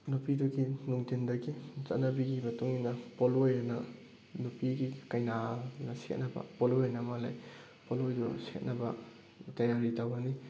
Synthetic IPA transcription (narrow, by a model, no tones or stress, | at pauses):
nupidɔɡinuŋtindɐɡizɐt̚nɐbiɡimɐtuŋinɐpolojanɐ | nupiɡikɐjnanɐsḛt̚nɐbɐ̰poloanɐmala̰j | polojdɔset̚nɐbɐ | tɐjaɾitawɡɐni